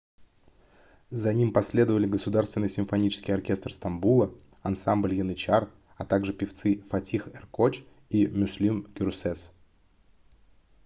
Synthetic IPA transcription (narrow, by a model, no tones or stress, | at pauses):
zɐnʲimpɐsʲlʲe̞d̪əvəlʲɪɡəsʊd̪arst̪vɪnːəsʲɪmfɐnʲit͡ɕɪ̥skʲɪjɐrkʲe̞st̪r̩st̪ɐmbulˠə | ɐnsamblʲjɪnɨt͡ɕar | ɐt̪aɡʐɨpʲɪft̪sɨfɐtʲixɛrkot͡ɕ | imʲʊsʲlʲimɡʲɪɾʊsɛs